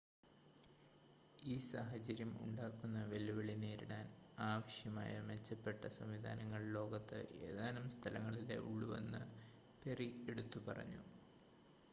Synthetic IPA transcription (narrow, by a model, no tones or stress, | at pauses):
iːsaɦɐt͡ɕɐɾjɐmṵɳɖaːkːunːɐʋelːuʋɐɭineːɾiɳaːnaːʋɐɕjɐma̰ːjɐme̞t͡ɕːɐpːe̞ʈːɐsɐmʋid̪ʱa̰ːnɐŋːɐɭlo̞ːɡɐt̪ːɨ̰ʔe̞̰ːðaːnumst̪ʰɐlɐŋːɐɭile̞̰ʔuɭːuʋḛnːɨ | perieɽut̪ːupɐrɐ̰ɲːṵ